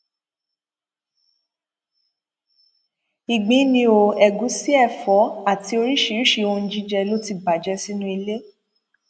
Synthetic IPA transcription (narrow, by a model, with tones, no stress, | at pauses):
i˨ɡ͡bĩ˨˦nĩ˧o˨ɛ˨ɡu˨˦si˦ɛ˦˨fɔ˨˦a˦˨ti˧o˧ɾi˦ʃi˧ɾi˦ʃi˧o˧n̩˧˦d͡ʒi˦d͡ʒɛ˧lo˦ti˧ba˨d͡ʒɛ˧si˦nũ˦i˧le˦